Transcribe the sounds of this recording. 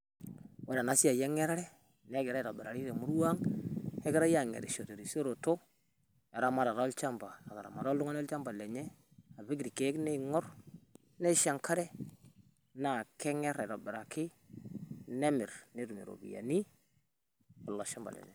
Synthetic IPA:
wa˦ɾa˨na˨˦si˦a˨jɛ˦ŋɛ˦ɾa˦ɾɛ˦ | nɛ˦ɡɪ˨ɾa˦˨ɾo˨bɛ˨ɾa˨ɾi˦ɾe˨mu˦ɾwa˦ŋɛ˦kɪ˦ɾa˦ja˦˨ŋḛ˨ɾḭ˨ʃo˨te˨ɾi˨so˦ɾo˨to˦ | ɛ˨ɾa˦ma˦ɾa˨ɾa˦lt͡ʃa˦mba˨a˨ka˨ɾa̰˨ma˨ɾa˦lu˦ŋa˦nɔ˦lt͡ʃa˦mba˨lɛ˨ɲɛ˦ | a˨βɪ˦ɡ̬ɾi˨ke˨˦knɛ˦ŋɔ˦r | nɛ˦ʃa˨ŋka˦ɾɛ˦ | na˨kɛ˦ŋɛ˦ɾa˨ɾo˨bɪ˨ɾa˨kɪ˦ | nɛ˦mɪ˨ɾne˨˦ɾu˨mḛ˨ɾo̰˨bḭ˨ja̰˨ni˦ | ɔ˨lːɔ˨ʃa˦mba̰˨lɛ̰˨ɲɛ̰˨

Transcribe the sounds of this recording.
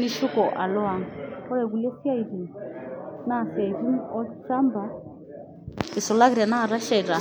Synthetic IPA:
ni˦ʃu˦kɔ˨ʔa˨lɔ˦a˨ŋɔ˦ɾɛ˨βu˨lɛ˦si˦a˦iɾi˨ | na˦˨sia˨i˨d͡ʒi˦mɔ˦t͡ʃa˦mba˨˦ | ɛ˨sɔ˨la˦ɣiɾi˨a˨na˦˨ɾa˦ʃa˦˨i˨ɾa˨

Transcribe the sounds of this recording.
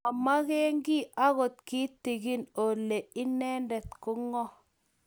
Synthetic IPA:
a˨ma˦kɛ˦ŋɡi˦a˦ɣo˨t̪ki˦ti˨ɣi˦no˨le˨ɪ˦nɛ˦ndɛ˨t̪̚ko˦ŋɔ˦

